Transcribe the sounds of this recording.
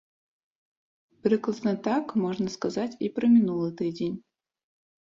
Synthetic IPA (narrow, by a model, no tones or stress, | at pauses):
pɾʲɨklˠəsnət̪akmoʐnəskɐzatʲipɾəmʲɪnulˠɨt̪ɨdʲenʲ